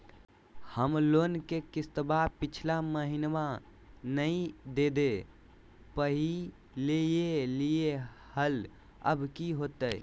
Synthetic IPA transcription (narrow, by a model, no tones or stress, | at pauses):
həmlonkekist̪əbapit͡ʃʰlaməɦinʋa | nəĩd̪ed̪e | pəɦi | lejelijehəl | ə̰bkiɦot̪əj